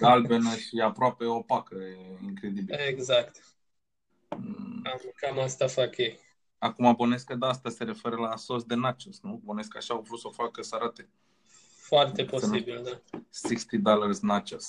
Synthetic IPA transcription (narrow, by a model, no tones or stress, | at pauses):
ɡalbenəʃiapɾoape̞opakəeiŋkɾe̞d̪ibieɡzakt̪ | akamast̪afakjej | akumaboneskəd̪aast̪ase̞ɾe̞fe̞ɾəlaso̞sd̪e̞nat͡ʃosnuboneska̰ʃaawvɾut̪sofakəsaɾat̪e | foart̪eposesibild̪asikst̪id̪alərsnat͡ʃos